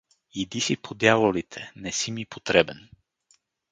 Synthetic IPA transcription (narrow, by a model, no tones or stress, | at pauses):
id̪isipʰod̪javolit̪ʰɛnɛsimipʰot̪ɾɛbɛn